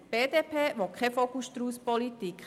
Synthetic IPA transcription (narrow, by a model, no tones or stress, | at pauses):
b̥eːdeːpʰeːʋokχɛfokustɾuːspɔlit̪ik